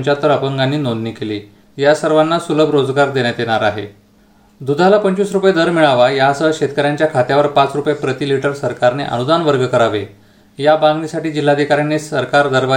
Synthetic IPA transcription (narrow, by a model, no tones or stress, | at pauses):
t͡ɕat̪ːəɾəpəŋɡanːiːnonniːkeliː | jasəɾʋanːasuləbɾod͡zɡaɾd̪eɳjat̪jeɽ̃aɾaɦḛ | d̪ud̪ʱalapəɲt͡ɕusɾupjed̪əɾmiɭaʋajasəɕet̪kəɾjaɲt͡ɕjakʰat̪jaʋəɾpat͡sɾupjepɾət̪iːliʈəɾsəɾkaɾneʔə̰nud̪anʋəɾɡəkəɾaʋe | jabãŋɡniːsaʈiːd͡ʑil̤ːad̪ʱikaɾjanːesəɾkaɾd̪əɾʋa